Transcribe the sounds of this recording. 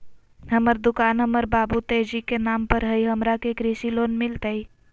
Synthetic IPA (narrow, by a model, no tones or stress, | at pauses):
ɦəməɾd̪ʊkaːnɦəməɾbaːbut̪eːd͡ʒikenaːmpəɾɦəiɦəmɾakekɾisiloːnmɪlt̪əi